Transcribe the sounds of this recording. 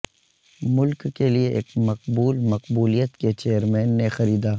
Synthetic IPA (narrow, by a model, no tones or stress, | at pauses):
mʊlkːelieʔḛːkmɐq̚buːlmɐqbuːlijət̪ket͡ʃeːjəɾmɛːnːexɐɾiːd̪aː